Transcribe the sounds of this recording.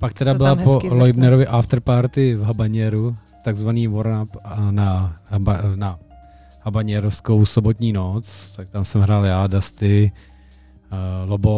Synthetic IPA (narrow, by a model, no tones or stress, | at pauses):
pak̚t̪ɛdabɪlapolojbnɛɾovɪʔaft̪ɾpaːɾt̪ɪvɦabaɲɛɾu | t̪aɡzvaniːvoɾnapnabna | habaɲɛɾofsko̞wsobot̪ɲiːnot͡st̪ak̚t̪amsɛmɦɾaːljaːdast̪ɪ | lobo